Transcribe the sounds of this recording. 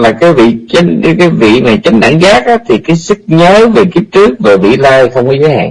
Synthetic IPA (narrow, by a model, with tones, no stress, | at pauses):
laː˨˩kaː˨˦jvḭ˧˨t͡ɕa˨˦ŋ˨˦kaː˨˦jvḭ˧˨maː˨˩t͡ɕa˨˦jŋ̟ɗa̰˧˩ŋɣaː˦˥k̚ʔaː˨˦t̪ʰi˨˩kaː˨˦jsɨ˦˥k̚ɲəː˨˦ve˨˩ki˦˥əp̚t͡ɕɨ˦˥ək̚vaː˨˩vḭ˧˨laː˧jxə˧wŋ͡mkɔ˨˦zəː˨˦jha̰ː˧˨ŋ